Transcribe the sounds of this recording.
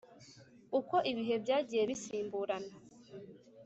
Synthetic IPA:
uko̞ʔiβiɦe̞bjaːɟije̞βisiːmbuːɾana

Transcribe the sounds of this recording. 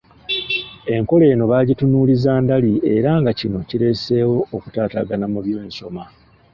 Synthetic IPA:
e̞ŋko̞le̞ːno̞βaːɟitunuːlizaːndalie̞ɾaŋɡacino̞ciɾe̞se̞ːwo̞ːku̥taːta̰ɡanamuβjo̞eːnso̞ma

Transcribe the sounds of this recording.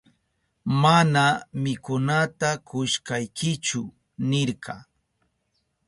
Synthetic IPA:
manamɪkʊnat̪akʊʃkajkɪt͡ʃʊ | nɪɾkʰɑ

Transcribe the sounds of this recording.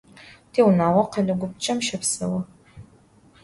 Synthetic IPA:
tʰeːwnaːwɐqɐlɐɡʷʊp̚t͡ʃʼɐmʃɐpsɐ̰wɐ

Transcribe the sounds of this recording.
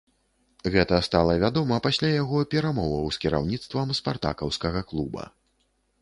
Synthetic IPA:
ɣɛt̪ɐst̪alˠɐvʲad̪ɔmɐpasʲlʲajaɣɔpʲɛɾamɔvɐwskʲiɾa̰wnʲit̪st̪vɐmspart̪a̰kɐwskɐɣɐklˠubɐ̰

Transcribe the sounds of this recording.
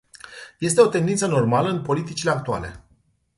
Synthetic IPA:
je̞s̬t̪e̞o̞t̪e̞nd̪int̪səno̞rmaləɨnpo̞lit̪it͡ʃile̞ak̚t̪ua̰le̞̰

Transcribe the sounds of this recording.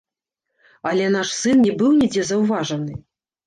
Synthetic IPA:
ɐlʲɛnaʂsɨnnʲɛbɨwnʲid͡zʲɛzɐwvaʐɐnɨ

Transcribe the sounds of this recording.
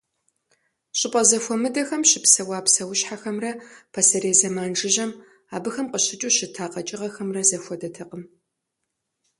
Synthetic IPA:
ɕʼɪpʼɐzɐfʷɔmɨdɐxɐmʃɪpsɐwaːpsɐwʊɕħaxɐmrɐpʰɐsɐɾeːzɐmaːnʒɨʒɐm | aːbɨxɐmqəɕɪt͡ʃʼuɕɪtʰaːqɐt͡ʃʼɪʁɐxɐmrɐzɐfʷɔdɐtʰɐqəm

